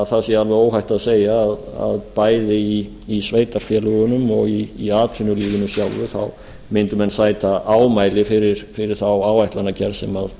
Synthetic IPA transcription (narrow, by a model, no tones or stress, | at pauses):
ðθaðsjɛalvɛoːwɦajht̪aðseːjaːða̰ðpaːjðɪi | isveːjt̪aɾ̥fjɛlʏɣʏnʏmɔɣiːaːt̪ʰʏnʏliːɣʏnʏsjawlvʏθa̰w | mɪnt̪ʏmɛnsaːjt̪aʔaːwmaːjlɪfɪɾɪɾ̥fɪɾɪɾ̥θawaːwajht̪lanacɛɾsɛmað